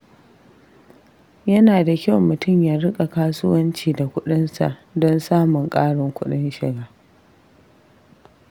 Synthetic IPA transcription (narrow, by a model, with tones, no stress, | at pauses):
jɐ˦naː˨da˨kʲa˦˨wmʊ˨tʊ˦˨mjaː˦ɾɪ˦kʼa˨kaː˦sʊ˦wɐ˦nt͡ʃiː˨da˨kʷʊ˦ɗɪ˦nsa̰˨ʔdɔ˦nsaː˦mʊ˨ŋkʼaː˦ɽɔ˨ŋkʷʊ˦ɗɪ˦nʃɪ̰˨ɡaː˦